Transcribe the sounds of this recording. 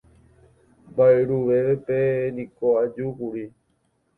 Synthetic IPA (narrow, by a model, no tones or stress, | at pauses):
baeɾuʋeepenĩkoad͡ʒukuɾi